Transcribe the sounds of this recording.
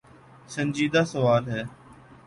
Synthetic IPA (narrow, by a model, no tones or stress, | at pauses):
sənʲd͡ʒiːd̪aːsəʋaːlɦɛː